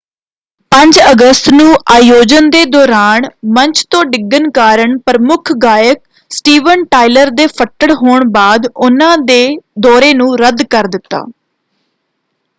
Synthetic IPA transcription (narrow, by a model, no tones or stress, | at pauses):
pəɲd͡ʒəɡəst̪nũːʔaːjoːd͡ʒənd̪eːd̪ɔːɾaːnməɲt͡ʃʰt̪õːɖɪɡːənkaːɾəɳpɾəmʊkʰɡaːjək̚ | sʈiːʋənʈaːiləɾd̪eːpʰəʈəɽɦoːɳbaːd̪ʊnãːd̪eːd̪ɔːɾeːnũːɾəd̪kəɾd̪ɪt̪ːa̰ː